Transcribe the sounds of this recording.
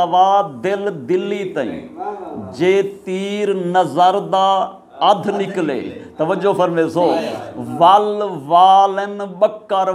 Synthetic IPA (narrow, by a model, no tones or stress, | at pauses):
ɐʋaːd̪ɪld̪ɪlːiːt̪ɐḭ̃ːd͡ʒeːt̪iːɾnɐzəɾd̪aː | ɐd̪ʱnɪklḛːt̪ɐʋəd͡ʒoːfɐɾmeːsoːʋalʋaːlənɓəkːaɾ